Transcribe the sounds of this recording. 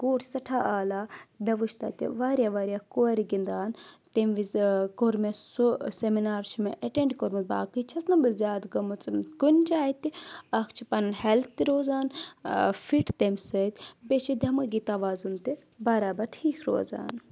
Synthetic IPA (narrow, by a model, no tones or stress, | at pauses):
ɡoːʈʰi̥sɐʈʰaːʔaːlaːbʲɐʋuʃt̪ʰa̰t̪ḭʋaːɾʲjaːʋaːɾʲijaːkoːɐɾiɡind̪aːnt̪emʋizkoɾmesuseminaːɾt͡ʃʰumḛʔɐʈeɳɖkoɾmɐzba̰ːkɨt͡ʃʰɐsnɐbɨzʲjaːd̪ɡɐmut͡sɨkunʲt͡ʃaːit̪iɐkʰt͡ʃʰipɐnhɐlt̪ːiɾoːzaːn | fʰiʈt̪ɐmsɐt̪ʲbet͡ʃʰid̪ʱʲɐmɨɡit̪ɐʋaːzunt̪i | bɐɾaːbɐɾʈʰiːkʰɾo̰ːza̰ːn